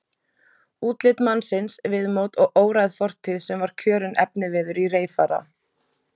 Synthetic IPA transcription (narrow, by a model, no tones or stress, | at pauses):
uːt̪lɪt̪mansɪnsvɪðmoːwt̪ɔɣʔoːwɾajðfɔr̥t̪ʰɪðsɛmvaɾ̥kʰœːɾʏnʔɛpnɪvɪðʏɾireːjfaːɾa̰